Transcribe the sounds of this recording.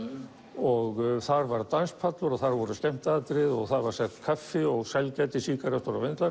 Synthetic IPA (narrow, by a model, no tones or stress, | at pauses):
ɔɣθaɾvaɾt̪anspʰat̪lʊɾaθaɾvɔɾʏst̪ɛm̥t̪aðt̪ɾɪðɔɣθaðvaɾ̥sɛht̪kʰafːɪɔɣsɛlcɛjt̪ɪsiːkaɾɛst̪ɔɾavɪnt̪laɾ